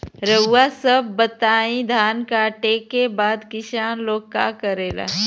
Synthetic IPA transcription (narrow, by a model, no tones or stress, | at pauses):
ɾəːasəbːət̪aːĩd̪ʱaːnkaʈeːkːebaːd̪kɪʃaːnloːɡ̚kːa̰kəɾeːla̰ː